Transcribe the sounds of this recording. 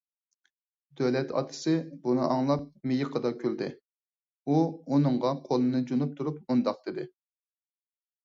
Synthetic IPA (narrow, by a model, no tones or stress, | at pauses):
d̪ølɛt̪ʰɑ̰t̪ʰɨ̥sɨbunɨ̰ʔɑŋlˠɑp̚mejɪqʰəd̪ɑkʲʰøld̪ɪ | uonɨɴʁɑqʰolˠɨnɨd͡ʒunup̚t̪ʰuɾup̚mund̪ɑqd̪ɪd̪ɪ